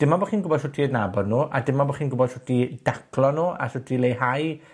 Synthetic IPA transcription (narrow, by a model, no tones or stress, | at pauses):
d̥ɪmːabɔχiːnɡʊbɔd̥sʊtʰiədnabɔdnuːʔa̰dɪmabɔχiːnɡʊbɔd̥sʊtʰid̥akʰlɔnuːa̰sʊtʰilejhaj